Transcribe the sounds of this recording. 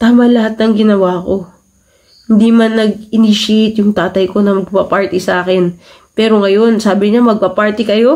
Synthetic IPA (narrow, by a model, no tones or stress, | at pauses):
t̪aːmɐlɐɦat̪̚nɐŋɡɪnɐwaːko̞ | hɪnd̪imɐnːɐɡ̚ɪniʃijt̪jʊŋt̪aːt̪ɐjko̞nɐmɐɡ̚papaɹt̪ɪsɐʔaːkɛn | pɛːɾo̞ŋɐjo̞nsaːbɪɲamɐɡ̚pɐpaɹt̪ɪkɐjo̞